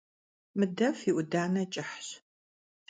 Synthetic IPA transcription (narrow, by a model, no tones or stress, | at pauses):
mɨdɐfiʔʷʊdaːnɐt͡ʃʼɪħɕ